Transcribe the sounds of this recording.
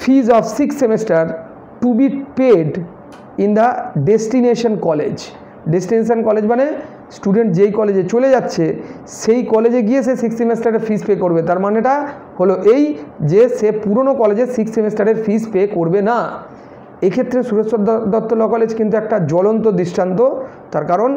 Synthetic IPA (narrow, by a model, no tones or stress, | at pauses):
fʰizɔfsiksemesʈaɾ | ʈubipeɖ | ind̪aɖesʈineʃonkɔlḛd͡ʑ | ɖesʈineʃ̬onkɔled͡ʑbane | sʈuɖeɳʈd͡ʑejkɔled͡ʑet͡ɕoled͡ʑatːɕʰe | ʃejkɔled͡ʑeɡiet͡ɕʰesiksemesʈaɾeɾfispekoɾbet̪aɾmaneʈa | holoʔejd͡ʑeʃepuɾonokɔled͡ʑeɾsiksimesʈaɾeɾfispekoɾbena | ekʰet̪ːɾesuɾesod̪d̪ɔt̪ːolɔkɔled͡ʑkint̪̬uɛk̚ʈad͡ʑɔlont̪od̪iʃʈant̪o | t̪aɾkaɾon